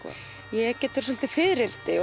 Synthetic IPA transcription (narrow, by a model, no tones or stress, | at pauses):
jɛɛhcɛːt̪ɪɾ̥s̬ɔl̥t̪ɪfɪðɾɪlt̪ɪ